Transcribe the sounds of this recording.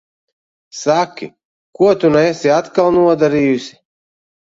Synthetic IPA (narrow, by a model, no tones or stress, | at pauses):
sakʲḭ | kuɔt̪unoesʲiat̪kalˠnuɔd̪aɾiːjusʲi̥